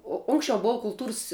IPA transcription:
oː ˈʊŋksʲt͡ʃʲɛʊ ˈboːʊ kʊlˠˈtuːrs

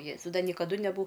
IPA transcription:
ˈjeːzɐʊ ˈdɐ nʲiɛkɐˈdʊ nʲɛˈbʊ

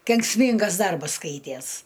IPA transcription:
kʲɛŋksʲˈmʲiːŋɡɐs ˈdɐrbɐs ˈskɐɪtʲiɛs

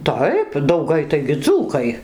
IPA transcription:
ˈtɐɪp dɐʊˈɡɐɪ tɐɪɡʲɪ ˈd͡zuːkɐɪ

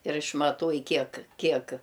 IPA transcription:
ɪr ɪʃmɐˈtuɔj ˈkʲiɛk ˈkʲiɛk

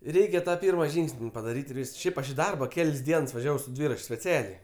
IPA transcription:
ˈrʲɛɪkʲɛ tɐ ˈpʲiːrmɐ ˈʒʲiːŋksʲnʲ pɐdɐˈrʲiːtʲ ɪr ˈʋʲiːsks ˈʃʲɛɪp ɐʃ ɪ ˈdɐrbɐ ˈkʲɛlʲsʲ ˈdʲiɛns ʋɐˈʒʲæːʋɐʊ sʊ ˈdʲʋʲiːrɐt͡ʃʲ sʲpʲɛˈt͡sʲæːlʲɛɪ

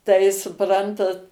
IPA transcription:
tɐɪ sʊˈprɐntɐt

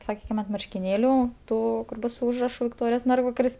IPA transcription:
sɐˈkʲiːkʲɪm ɐnt mɐrʲʃʲkʲɪˈnʲeːlʲuː ˈtuː kʊr ˈbʊs sʊ ˈʊʒrɐʃʊ ʋʲɪkˈtoːrʲɪjoːs ˈmʲɛrɡʋɐkɐrʲɪs

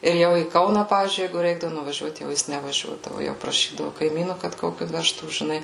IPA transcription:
ɪr ˈjɛʊ iː ˈkɐʊnɑː ˈpɑːʋʲiːzʲd͡ʒʲʊɪ ˈjɛɪɡʊ ˈrʲɛɪɡdɐʋʊ nʊʋɐˈʒʲuɔt jɛʊ ˈjɪs nʲɛʋɐˈʒʲuɔdɐʋʊ jɛʊ prɐˈʃʲiːdɐʋʊ kɐɪˈmʲiːnʊ kɐt ˈkoːkʲʊ ˈʋʲæːʃtuː ʒʲɪˈnɐɪ

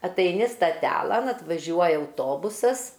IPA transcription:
ɐtɐɪˈnʲɪ stɐˈtʲæːlˠɐn ɐtʋɐˈʒʲuɔjɛ ɐʊˈtoːbʊsɐs

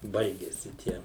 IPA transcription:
ˈbɐɪɡʲɛsʲɪ ˈtʲiɛ

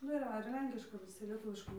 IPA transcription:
ˈnʊ ɪr ˈʋɐ ɪr ˈlʲɛŋʲkʲɪʃkɐ ʋʲɪˈsʲɪ lʲiɛˈtʊʋʲɪʃkɐɪ

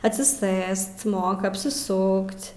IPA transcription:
ɐtʲsʲɪˈsɘst ˈmoːkɐ ɐpʲsʲɪˈsʊkʲtʲ

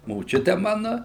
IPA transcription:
moːˈt͡ʃʲʊtʲɛ ˈmɑːnʊ

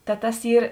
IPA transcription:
tɐ ˈtɐs ˈiːr

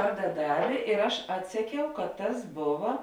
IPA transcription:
ˈʋɐrdɐ ˈdɑːʋʲeː ɪr ˈɐʃ ˈɑːtʲsʲɛˌkʲɛʊ kɐt ˈtɐs ˈboːʋɐ

